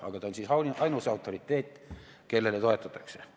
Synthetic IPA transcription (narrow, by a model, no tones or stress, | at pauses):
ɑ̰ɡ̥ɑt̪ɑonʲsiːsɑwnʲɑjnusɑwt̪ːˑorit̪ːeːt̪ː | kelːelet̪oet̪ːˑɑt̪ˑːɑ̥kse